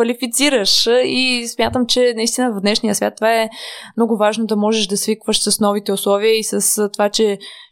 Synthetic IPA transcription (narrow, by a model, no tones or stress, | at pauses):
vɐlifit̪siɾəʃismʲjat̪əmt͡ʃɛnɐist̪inəvɐvd̪nɛʃnijəsvʲja̰t̪ːovaɛmnɔɡʊvaʒnod̪ɐmɔʒɛʃd̪ɐsvikvəʃsɐsnɔvit̪ɛʊslˠɔviəisəst̪ovat͡ʃɛ